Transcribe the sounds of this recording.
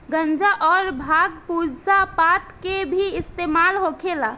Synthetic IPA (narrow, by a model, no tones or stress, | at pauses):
ɡə̃nd͡ʒaʔɔːɾbʱaɡpud͡ʒsapat̪kebʱiɪst̪emalɦokʰela